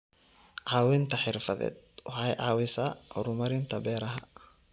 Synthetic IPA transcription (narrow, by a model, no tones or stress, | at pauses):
ʕɑːwɪnt̪ʰɐħɪrfɐðɛ̰ːd̪̚wɑħɐjʕaːwɪsaʔɔɾʊmɐɾɪnt̪ʰɐbɛːɾɐɦɐ